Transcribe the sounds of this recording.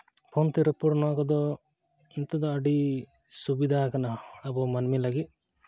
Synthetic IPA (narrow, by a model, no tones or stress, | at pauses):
pʰont̪iɾɐpːuɽnɔːkɔd̪ɔ | int̪ud̪ɔɐɖi | subid̪ʱaːkɐnaɐbɔmɐnmilɐɡi